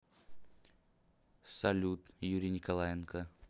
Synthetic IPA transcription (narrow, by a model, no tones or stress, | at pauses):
sɐlʲut̪juɾʲɪnʲɪkɐlˠajɪnkə